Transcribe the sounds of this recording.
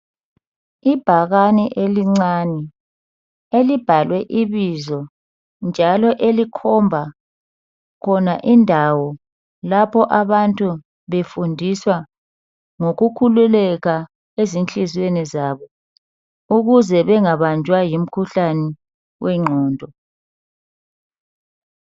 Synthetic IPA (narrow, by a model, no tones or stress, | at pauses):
ib̥ʱaɣanɛʔeliŋ͡ǀaːnɛ | elib̥ʱalwɛʔiβizɔ | nd͡ʒʱalɔʔelikʰɔmbʱa | kʰɔnaʔindʱawɔ | lapʰɔʔaβantʼu | βefundʱiswa | ŋoɣukʰululɛɣa | ezint͡ɬʼizwenizaːβɔ | uɣuzɛβɛŋaβand͡ʒʱwajim̩kʰuɬanɛ | wɛŋ͡ǃʱɔːndʱɔ